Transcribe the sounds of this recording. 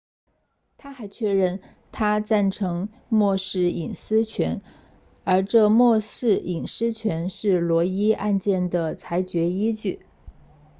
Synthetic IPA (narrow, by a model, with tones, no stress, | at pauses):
t̪ʰa˥xa˧˥ɪt͡ɕʰɥɛ˥˧ɻə˥˩n | t̪ʰa˥t͡sa˥˩nʈ͡ʂʰɤ˧˥ŋ | mwɔ˥˧ʂɻ̩˥˩i˨˩ŋsɹ̩˥t͡ɕʰɥɛ˧˥n | ə˞˧˥ʈ͡ʂɤ˥˧mwɔ˥˧sɹ̩˥˩i˨˩ŋsɹ̩˥t͡ɕʰɥɛ˧˥nʂɻ̩˥˩lwɔ˧˥i˥a˥˧nt͡ɕjɛ˥˩nd̪ə˩t͡sʰa˧˥ɪt͡ɕɥɛ˧˥i˥t͡ɕy˥˩